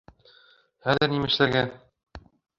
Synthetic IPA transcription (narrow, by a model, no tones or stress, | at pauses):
χæðɘ̆ɾnimɘ̆ʃlæɡæ